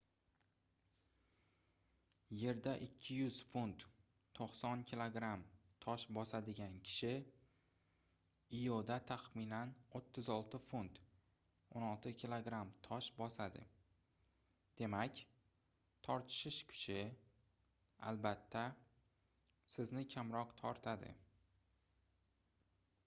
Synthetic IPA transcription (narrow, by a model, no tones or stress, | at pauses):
je̞ɾd̪aʔɪkʲʰːɪjʊz̥funt̪ːʰ | oqsɒnkʲʰilˠoɡɾamt̪ʰɒʃbɒsad̪ɪɡʲankʲʰɪ̥ʃɪ | ɪjod̪at̪ʰaχmɪnanot̪ʰːɪzɒlˠt̪ʰɪfunt̪ | onɒlˠt̪ʰɪkʲʰilˠoɡɾamt̪ʰɒʃbɒsad̪ɪ̰ | d̪̥e̞makʲ | t̪ʰɒɾt̪ʰɪ̥ʃɪʃkʰʊ̥t͡ʃʰɪ | a̰lbat̪ʰːa | sɪznɪkʲʰamɾɒqt̪ʰɒɾt̪ʰad̪ɪ̰